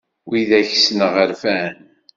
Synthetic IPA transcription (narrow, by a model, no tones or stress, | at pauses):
wiðæçsnəʁəɾfæn